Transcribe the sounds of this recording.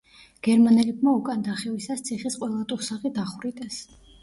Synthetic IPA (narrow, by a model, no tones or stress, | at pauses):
ɡ̥ɛɾmanɛlɛb̚maukʼand̪aχɛvisast̪sʰiχisqʼwɛlˠat̪ʼuɾsaχid̪aχwɾit̪ʼɛs